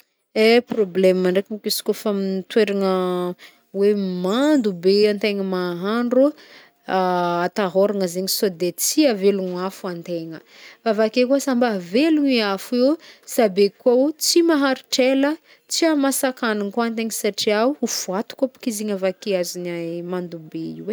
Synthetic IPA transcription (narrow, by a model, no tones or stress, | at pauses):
eproblɛmaɳɖ͡ʐekimukisi̥kofamint̪weɾaŋə | wemand̪ubeant̪eŋəmaɦaɳɖ͡ʐu | at̪aɦoɾaŋəzeɲisod̪et͡siaveluŋafuant̪eŋə | favakekusambaveluɲiafiwsabekwaut͡simaɦaɾiʈ͡ʂelə | t͡siamasakanaŋkuant̪eŋəsaʈ͡ʂiauhufuat̪u̥kapu̥kiziɲavakeazinamand̪ubeḭwe